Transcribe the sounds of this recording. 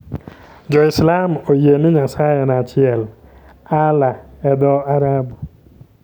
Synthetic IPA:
d͡ʒɔɪslamojemɪɲasajɛnat͡ʃɪɛl | alaɛd̪ɔaɾabu

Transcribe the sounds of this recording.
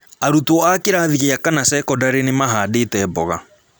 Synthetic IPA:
aɾutɔakeɾaðiɣeakanasɛkɔdaɾenemaɦaːdetɛːbɔɣa̰

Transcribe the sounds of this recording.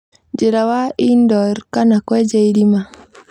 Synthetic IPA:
d͡ʒɪɾawaindɔɾkanakwɛd͡ʒeiɾima

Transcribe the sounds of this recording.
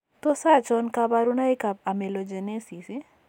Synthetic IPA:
t̪osat͡ʃɔnkabaɾunaikab̚amelod͡ʒenesisi

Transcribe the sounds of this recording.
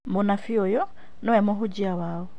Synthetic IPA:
monafiojɔ | nɔɛmoɦud͡ʒiawaːwo

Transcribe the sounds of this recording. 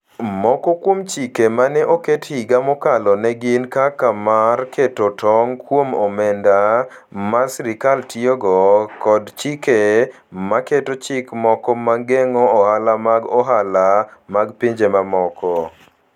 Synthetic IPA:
mɔkɔkwomt͡ʃikemanɛʔokethiɡamɔkalɔnɛɡɪnkakamarkʰetotʰɔŋkwomɔmɛnda | masɾikaltioɡɔkɔdt͡ʃike | maketot͡ʃɪkmɔkɔmaɡeŋɔɔhalamaɡɔɦalamaɡpiɲd͡ʒemamɔkʰɔ

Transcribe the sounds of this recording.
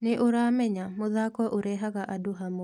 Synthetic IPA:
nɪʔʊɾamɛɲamʊðakɔʔʊɾɛɦakaʔadʊɦamo

